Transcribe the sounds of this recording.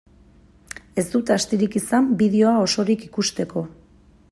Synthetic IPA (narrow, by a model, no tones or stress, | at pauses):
e̞zt̪ut̪ast̪iɾikisambið̞eo̞ao̞so̞ɾikikust̪e̞ko̞